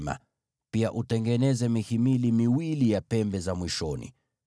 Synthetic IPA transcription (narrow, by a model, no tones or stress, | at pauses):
ma̰ | piaʔutɛŋɡɛnɛzɛmihimilimiwilijapɛmbɛzamwiʃɔnḭ